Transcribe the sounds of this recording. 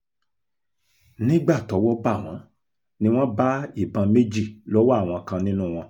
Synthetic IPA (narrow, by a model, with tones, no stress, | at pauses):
nĩ˦ɡ͡ba˦˨tɔ˨˦wɔ˦ba˦˨w̃ɔ̃˨˦ | nĩ˧˦w̃ɔ̃˦ba˦i˦˨bã˧me˦d͡ʒi˦˨lɔ˦wa˦˨w̃ɔ̃˧kã˧nĩ˦nũ˦˨w̃ɔ̃˧